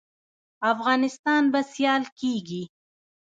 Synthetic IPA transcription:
afɣɑnɪst̪ɑnbasjɑlkeɡi

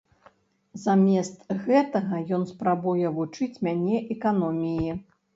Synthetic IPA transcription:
zamʲɛst̪ɣɛt̪ɐɣɐjɔnspɾabujɛvut͡ʂɨt͡sʲmʲanʲɛʔɛkanɔmʲiji

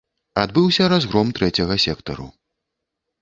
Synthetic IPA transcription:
ad̪bɨwsʲɐɾazɣɾɔmt̪ɾɛt͡sʲɐɣɐsʲɛkt̪ɐɾṵ

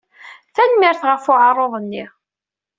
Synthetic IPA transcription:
θænmɪɾθʁəfʊʕərˤːoðˤnːiʁ

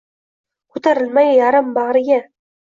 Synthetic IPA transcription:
kʰɵt̪aɾɪlmajjɑɾambɑʁɾɡʲa

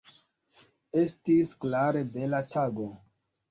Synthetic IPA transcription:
e̞stisklaɾe̞belatʰaɡo̞

